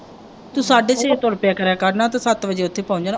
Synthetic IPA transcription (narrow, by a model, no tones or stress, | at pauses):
t̪uːsaːɖeːseːt̪oːɾpjaːkəɾãːkaɾnaːt̪ãːsət̪ʋəd͡ʒeːʊt̪ʰːeːpãːʊ̃ɲd͡ʒaːn